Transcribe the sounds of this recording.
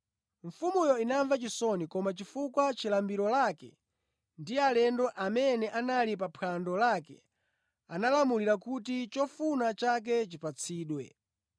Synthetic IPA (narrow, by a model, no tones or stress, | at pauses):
ɱfumujɔinaɱvat͡ʃisɔnikɔmat͡ʃifukwat͡ʃilambiɾɔlakɛ̰ | ndialɛndɔʔamɛnɛʔanalip̬apʰandɔlakɛ̰ | analamuliɾakutit͡ʃɔfunat͡ʃak̬ɛt͡ʃipat͡sʰiːɗwɛ̰